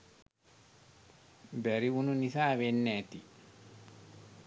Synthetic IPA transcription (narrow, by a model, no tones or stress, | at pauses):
bɛɾiununisaːwenːɛt̪i